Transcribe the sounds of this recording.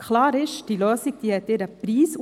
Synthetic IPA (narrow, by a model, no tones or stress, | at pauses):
kχlɑːɾɪʃd̥iːløːsiɡ̥̚d̥iːhɛt̪ːɪːɾəpɾiːsu